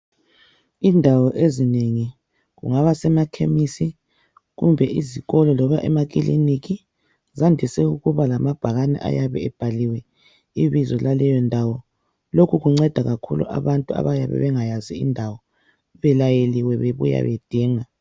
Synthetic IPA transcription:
indʱawɔʔezineŋi | ɣṵŋaβasɛmakʰemisi | ɣumbʱɛʔiziɣɔlɔlɔβaʔɛmaɣ̬ʼilḭniki | zandʱisɛuɣuβalamab̥ʱaɣanɛ̰ʔa̰jaβɛ̰ɛb̥ʱaliwɛ | iβizɔlalɛjɔndʱawɔ | lokʰuɣuŋ͡ǀɛd̥ʱaɣakʰṵlṵʔa̰βantʼua̰βaja̰βɛ̰βɛŋajaziḭndʱawɔ | βɛlajeliwɛβeβṵja̰βḛd̥ʱiːŋa

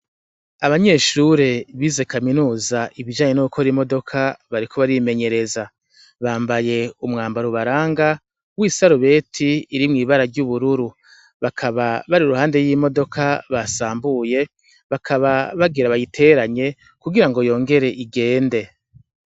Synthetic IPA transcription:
aβaɲe̞ːʃuɾe̞βize̞kaminuːzaʔiβid͡ʒaːɲe̞nuukʰoɾimo̞do̞kʰaβaɾikʰo̞βaɾime̞ɲe̞ɾe̞za | βaːmbaje̞umŋaːmbaɾuβaɾaːŋɡa | wisaɾuβe̞ːtʰiːɾimŋiːβaɾaɾɟuβuɾuɾu | βakʰaβaβaɾiɾuhaːnde̞jiːmo̞do̞kʰaβasaːmbuje̞ | βakʰaβaβaɡiɾaβajitʰe̞ːɾaɲe̞ | kuɡiɾaŋɡo̞jo̞ːŋɡe̞ɾe̞ʔiɡe̞ːnde̞

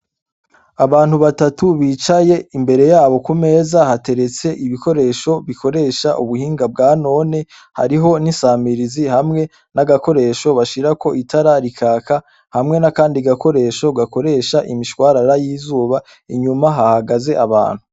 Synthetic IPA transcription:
aβaːnhuβatatuβiːt͡ʃaje̞imbe̞ɾe̞jaːβo̞kume̞ːzahate̞ɾe̞t͡se̞ʔiβiko̞ɾe̞ːʃo̞βikʰo̞ɾe̞ːʃaʔuβuhiːŋɡab̚ɡaːno̞ːne̞ | ha̰ɾiɦo̞nisaːmiɾizihamŋe̞ | naɡako̞ɾe̞ʃo̞βaʃiɾako̞ʔitʰaɾaɾikʰaːka | hamŋe̞nakaːndiɡako̞ɾe̞ːʃo̞ɡako̞ɾe̞ʃaʔimiʃwaːɾaɾajiːzuːβa | iɲumaɦahaɡaze̞ʔaβa̰ːn̥hu

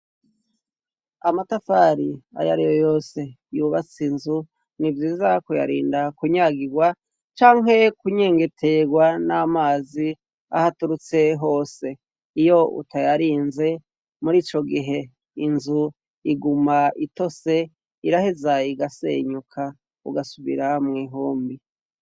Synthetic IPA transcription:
amatafaɾia̰ja̰ɾijojo̞ːse̞ | juːβat͡sinzu | nivjiːzakuja̰ɾḭːndakuɲaːɡiɡwa | t͡ʃaːŋɦe̞kuɲe̞ːŋɡe̞tʰe̞ɡwanamaːzi | a̰hatuɾut͡se̞ɦo̞ːse̞ | ijo̞ṵtʰajaɾiːnze̞ | muɾiːt͡ʃo̞ɡiɦe̞ | inzu | iɡumaito̞se̞ | iɾahezaiɡasḛɲukʰa | ṵɡasuβḭɾamŋiːɦoːmbi

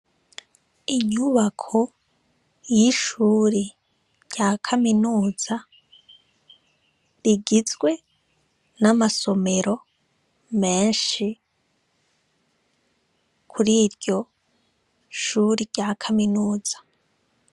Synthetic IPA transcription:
iɲuβakʰo | jiʃuɾi | ɟakʰaminuːz̥a | ɾiɡizɡwe̞ | namaso̞me̞ɾo̞ | me̞ːnʃi | kʰuɾiːɾjo̞ | ʃuːɾiɾɟakʰaminuːz̥ḁ

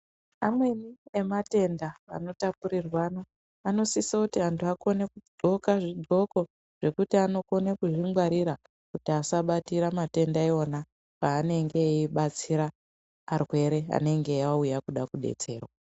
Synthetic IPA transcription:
amwe̞niemate̞ndaa̰no̞tapuɾirwaːno̞ | ano̞sisakutiantʰuako̞nekudʱo̞kaʐiɡʱo̞ko̞ | ʐ̥e̞kutiano̞ko̞nekuʐimɡwaɾiɾa | kutiasaɓatiɾamate̞ndaeona | paːne̞ŋɡe̞iɓat͡siɾaː | rwe̞ɾe̞a̰ne̞ŋɡe̞aujakuɗakuɗe̞̰t͡se̞̰ːrwa

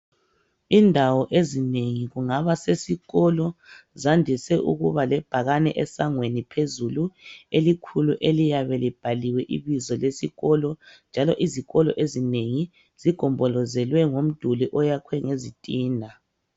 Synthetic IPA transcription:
indʱawɔʔezineŋiɣuŋaβasesiɣɔlɔzandʱisɛʔṵɣuβalɛb̥ʱaɣanɛʔɛsaŋwenipʰezuluelikʰuluʔelijaβɛlib̥ʱaliwɛʔiβizɔlesiɣɔlɔnd͡ʒʱalɔʔiziɣɔlɔ̰ʔezineŋi | z̥iɡ̥ʱɔmbʱɔlɔzɛlwɛŋom̩d̥ʱuliʔɔjakʰwɛŋezitʼiːnʱa

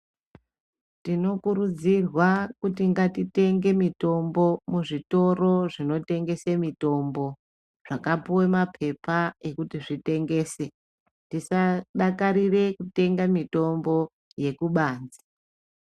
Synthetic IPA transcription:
tino̞kuɾud͡zirwakutiŋɡatite̞ŋɡe̞mito̞mbo̞muʐito̞ro̞ʐino̞te̞ŋɡe̞semito̞mbo̞ | ʐ̥akapuwemapʰe̞pae̞kutiʐite̞ŋɡe̞ːse | tisaɗakaɾire̞kute̞ŋɡamito̞mbo̞ | je̞kuɓaːnzi̥

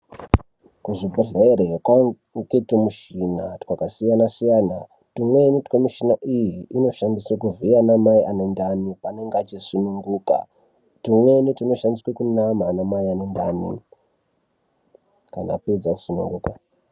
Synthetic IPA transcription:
kuʐibʱaɮaeɾekwa | ŋketimuʃinatwakasijanasijana | timwenitkomiʃinaʔijiːno̞ʃandiswakuvijanamaiʔanendanipane̞ŋɡat͡ʃisunuŋɡuːka̰ | timwe̞nitino̞ʃandiswekunamanamaianendanḭ | ka̰na̰ped͡zaku̥sunṵŋɡuːka

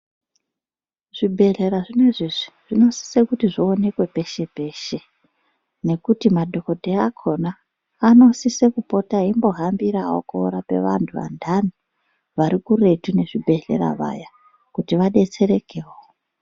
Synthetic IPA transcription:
ʐ̥ibʱe̞ɮe̞ɾaʐine̞ʐiʐiʐ̥ino̞si̥sekutiʐione̞kwe̞pe̞ʃe̞pe̞ʃe | ne̞kutimadʱo̞ko̞dʱeakʰo̞naː | no̞sisekupo̞taɦimbo̞ɦambiɾao̰koɾape̞̰ʋa̰ntʰuʋa̰ndʱanu | ʋaɾikure̞tune̞ʐibʱe̞ɮe̞̰ɾa̰ʋa̰ja | kutiʋaɗe̞t͡se̞ɾe̞keo

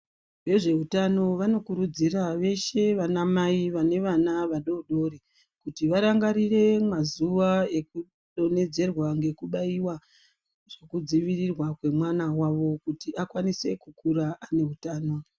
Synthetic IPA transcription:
ʋe̞ʐe̞ɦutano̞ʋano̞kuɾud͡ziraʋe̞ʃe̞ʋanamaiʋane̞ʋanaʋaɗo̞ɗo̞ɾe | kutiʋaɾaŋɡaɾire̞mazuʋaeku | ɗo̞ne̞d͡ze̞rwaŋɡe̞kuɓaiwa | ʐ̥ekud͡ziʋirirwakwe̞mwanawaʋo̞kutiakwanise̞kukuɾaʔane̞ɦutaːno̞

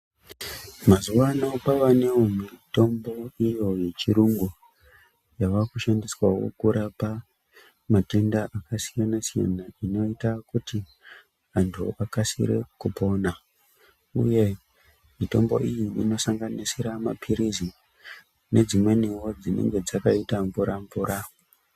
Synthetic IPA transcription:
mazuʋano̞paʋaneomito̞mbo̞ijo̞je̞t͡ʃiɾuŋɡu | jaʋakuʃandiswawo̞̰kuɾapa | matendaʔakasijanasija̰naino̞itakuti | antʰṵakasḭɾḛkupo̞na | ṵje̞ | mito̞mbo̞̰ijiino̞saŋɡanisiɾama̰pʰiɾizi | ne̞d͡zimwe̞niwo̞d͡zine̞̰ŋɡe̞d͡zakaitamvuɾʔaɱvuːɾʔa

